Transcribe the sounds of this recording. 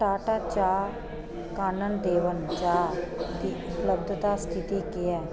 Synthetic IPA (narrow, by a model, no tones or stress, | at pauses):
ʈaːʈaːt͡ʃaː | kaːnənd̪eːʋənt͡ʃaːd̪iːʊpləb̚d̪t̪aːst̪ɪt̪iːkɪɛː